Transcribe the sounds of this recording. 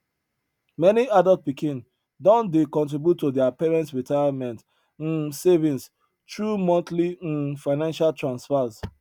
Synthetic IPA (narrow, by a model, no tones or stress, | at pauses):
mɛniadɔlt̚pikĩn | dɔ̃ndekɔ̃ntɹibjutːodiapɛɹɛ̃ntsɹitaɪamɛ̃nt̩ | sevĩns | tɹumɔ̃ntlifaɪnãnʃaltɹãnsfaz